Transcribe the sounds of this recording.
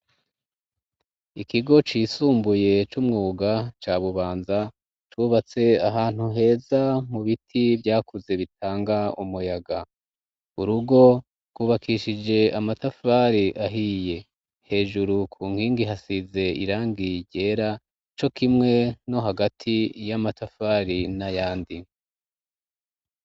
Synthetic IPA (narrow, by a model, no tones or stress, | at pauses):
ikiɡo̞t͡ʃiːsuːmbuje̞t͡ʃumŋuːɡat͡ʃaːβuβaːnza | t͡ʃuːβat͡se̞aɦaːn̥huɦe̞ːzamuβitʰivjaːkuze̞βitʰaːŋɡaṵmujaɡa | uɾuɡo̞ | ɡ̥uːβakʰiʃid͡ʒe̞amatafaɾiʔaɦije̞ | he̞ːʒuɾukʰuːŋhiːŋɡiɦasize̞ḭɾaːŋɡiɟɟe̞ːɾa | t͡ʃo̞kimŋe̞no̞ɦaɡatʰijamatʰafaːɾinajaːndi